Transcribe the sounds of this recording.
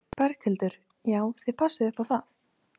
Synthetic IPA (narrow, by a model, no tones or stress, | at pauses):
pɛɾ̥kʰhɪlt̪ʏɾ̥ | jaːwθɪðpʰasːɪðɪhpʰawθaθ